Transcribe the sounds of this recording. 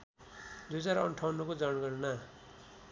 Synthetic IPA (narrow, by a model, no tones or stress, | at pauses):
d̪ut͡saɾʌɳʈʰawnukod͡zʌnɡʌɾna